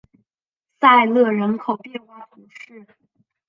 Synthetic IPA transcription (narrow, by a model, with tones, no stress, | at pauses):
sa˥˧ɪlɤ˥˩ɻə˧˥nkʰo˨˩ʊpjɛ˥˧xwa˥˩ɪu˧˥ʂɻ̩˥˩